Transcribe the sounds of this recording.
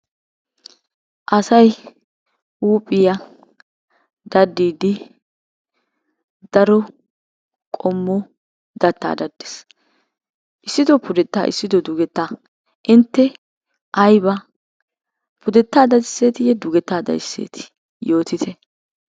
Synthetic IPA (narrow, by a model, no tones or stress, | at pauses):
ʔɐsɐj | uːpʼɪjɐ | d̪ɐd̪ːiːd̪ɪ | d̪̥ɐɾɔ | kʼɔmːɔ | d̪ɐt̪ːa̰ːd̪ɐd̪ːes | ʔɪsːɪd̪ɔpʊd̪ɛt̪ːa̰ːʔɪ̰sːɪd̪ɔd̪ʊɡɛt̪ːaː | ʔɪnt̪ːɛ | ʔɐjbɐ | pʊd̪ɛt̪ːaːd̪ɐd̪ɪsːe̞ːt̪ɪjɛd̪ʊɡɛt̪ːaːd̪ɐ̰jɪsːḛːt̪ʰɪ̥ | jo̞ːt̪ɪt̪ɛ